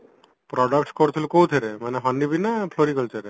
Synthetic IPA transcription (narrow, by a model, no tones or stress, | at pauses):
pɾɔɖəkʈkɔɾt̪ʰilukowt̪ʰeɾemaneɦɔnɖibinapʰloɾikɔlt̪ʰeɾe